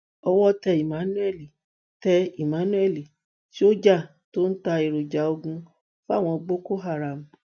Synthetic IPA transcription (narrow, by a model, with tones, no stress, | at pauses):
ɔ˧wɔ˦tɛ˧i˨mã˨˦nũ˦ɛ˦˨li˨ | tɛ˧i˨mã˨˦nũ˦ɛ˦˨li˨ | ti˦o˦d͡ʒa˦˨ | to˦n̩˦ta˧e˨ɾo˨d͡ʒa˨˦o˧ɡũ˧ | fa˦˨w̃ɔ̃˧ɡ͡bo˦ko˦ɦa˦˨ɾa˨m̩˨